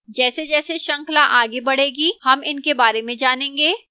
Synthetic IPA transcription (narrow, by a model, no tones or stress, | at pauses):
d͡ʒɛːsed͡ʒɛːseʃɐ̃ŋklaʔaːɡebɐɽ̤eːɡihɐmɪnkebaːɾemẽd͡ʒaːnẽːŋɡeː